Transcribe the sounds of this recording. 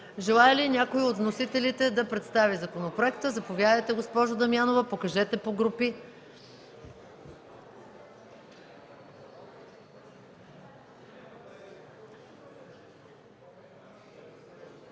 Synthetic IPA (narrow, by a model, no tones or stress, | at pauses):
ʒɛlˠajəlinʲakoiot̪vnosit̪ɛlit̪ɛd̪ɐpɾɛt̪st̪avizɐkonopɾoɛkt̪əzɐpovʲjad̪əjt̪ɛɡospɔʒod̪ɐmianovɐpokɐʒɛt̪ɛpoɡɾupi